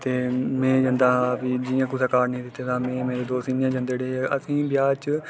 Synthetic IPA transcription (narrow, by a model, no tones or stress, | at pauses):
t̪eːmeɛ̃ːd͡ʒə̃nd̪aːpiːd͡ʒɪjãːkʊsaːkaːɾnĩːd̪ɪt̪ːeːt̪ãːmẽːmeːɾeːd̪oːsiːnjãːd͡ʒə̃nd̪eːɽeːeʔəsĩːbɪjaːt͡ʃ